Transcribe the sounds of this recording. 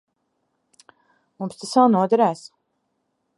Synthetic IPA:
mumst̪asawnuɔd̪aɾæːs

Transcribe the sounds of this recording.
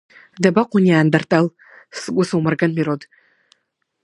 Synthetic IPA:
dɐbɐqʷʊniaːndɐrtʼɐl | sɨɡʷʼʊsɨwmɨrɡɐnmiɾodʰʼ

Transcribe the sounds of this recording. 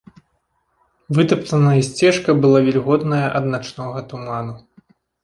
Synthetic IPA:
vɨt̪ɐpt̪ɐnɐjɐsʲt͡sʲɛʂkɐbɨlˠavʲɛlʲɣɔd̪nɐjɐʔɐd̪nat͡ʂnɔɣɐt̪umanu

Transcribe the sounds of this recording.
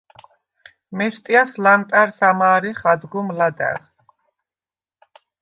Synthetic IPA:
mɛʃt̪ʼiaslampʼɛɾsamaːɾiχad̪ɡumlad̪ɛ̰ʁ

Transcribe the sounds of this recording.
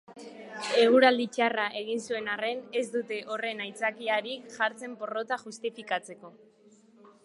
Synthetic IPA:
e̞ɣ̞uɾald̪it͡ʃaraʔe̞ɣ̞insue̞nare̞ne̞zd̪ut̪e̞ʔo̞re̞najt͡sakiaɾikʝaɾt͡se̞mpo̞ro̞t̪aʝust̪ifikat͡se̞ko̞

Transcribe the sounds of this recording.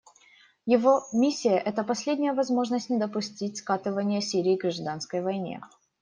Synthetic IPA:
jɪvomʲisʲːɪjəʔɛt̪əpɐsʲlʲedʲnʲɪjəvɐzmo̞ʐnəsʲtʲnʲɪd̪əpʊsʲtʲitʲskat̪ɨvənʲɪjəsʲiɾʲɪːɡɾɐʐd̪anskəjvɐjnʲḛ

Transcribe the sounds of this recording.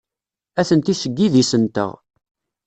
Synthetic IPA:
æθənt̪isəɡːiðisənt̪ə̰ʁ

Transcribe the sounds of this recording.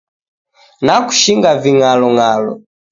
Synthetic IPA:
naku̥ʃiŋɡaviŋalɔŋalɔ̰

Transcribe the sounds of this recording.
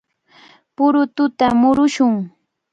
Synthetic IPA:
pʊɾʊt̪ʊt̪amʊɾʊʃʊŋ

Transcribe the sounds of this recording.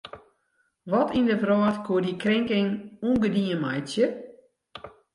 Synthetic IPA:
ʋɔtindəvrɔːtkʰuədikrɪŋkɪŋunɡədiəmajtjə

